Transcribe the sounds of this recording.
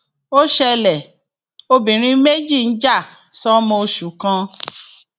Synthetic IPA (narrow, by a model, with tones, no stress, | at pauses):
o˦ʃɛ˧lɛ˨ | o˧bĩ˨ɾ̃ĩ˧˦me˦d͡ʒi˦˨n̩˦d͡ʒa˦˨ | sɔ˦mɔ̃˧o˧ʃu˨˦kã˧